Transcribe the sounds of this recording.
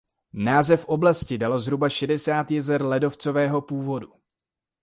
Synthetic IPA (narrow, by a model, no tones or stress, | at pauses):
naːzɛfʔo̞blascɪdalo̞zɦɾubaʃɛdɛsaːt̪jɛzɛɾlɛdo̞ft͡so̞vɛːɦo̞puːvo̞du